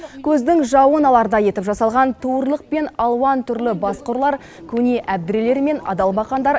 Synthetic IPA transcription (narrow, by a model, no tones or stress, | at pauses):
kʲʰɵzd̪ɪŋʒɑwənɑlˠɑɾd̪ɑje̞t̪ɪpʒɑsɑlˠʁɑnt̪ʰowəɾlˠəq̚pe̞nɑlˠwɑnt̪ʰʏɾlɪbɑsqʊɾlˠɑɾ | kʲʰɵne̞ʔæb̚d̪ɪɾele̞ɾme̞nɑ̰d̪ɑlˠbɑqɑnd̪ɑɾ